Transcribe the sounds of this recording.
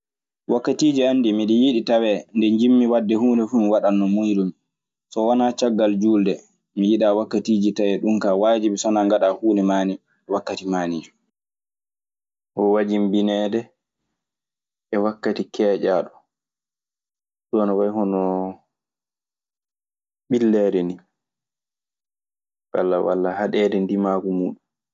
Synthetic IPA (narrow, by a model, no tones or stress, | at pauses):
wakːatiːd͡ʒiandimiɗijiɗitawɛndɛɲd͡ʒimːiwadːɛhuːnɛfuːmiwaɗanːɔmujɗum | sɔwanat͡ʃaɡːald͡ʒuldɛ | mijiɗawakːatiːd͡ʒitawɛɗumkawaːd͡ʒibsɔnaŋɡaɗahuːnɛmaːni | wakːatimaːnid͡ʒu̥ | ʔɔwad͡ʒimbinɛːdɛ | ɛwakːatikɛːd͡ʒaːɗɔ | ɗuanɔwajhɔnɔ | ɓilːɛːɾɛni | walːawa̰lːahaɗɛdɛndimaːkumuːɗum